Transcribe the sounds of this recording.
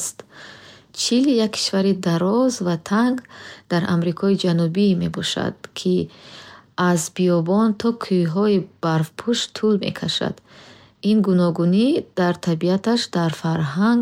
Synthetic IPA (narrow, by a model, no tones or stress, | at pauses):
st̪ | t͡ʃʰilijakʰːi̥ʃvaɾid̪aɾɔzvat̪ʰaŋɡd̪̥aɾʔa̰mɾikʰɔid͡ʒanubime̞bɔʃa̰d̪̥kʰi | azbiɔbɔnt̪ʰɔkʰujɦɔib̥aɾvpʰuʃt̪ʰulme̞̰kʰaʃa̰d̪̥ | inɡunɔɡunid̪̥aɾt̪ʰabiat̪aʃd̪aɾfaɾɦaŋɡ